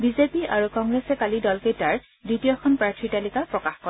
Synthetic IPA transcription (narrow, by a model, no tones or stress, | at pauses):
bizepiaɹukɔŋɡɹesɛkalidɔlkejtaɹ | dɹitijɔxʰɔnpɹaɹtʰɹitalikapɹɔkaxkɔ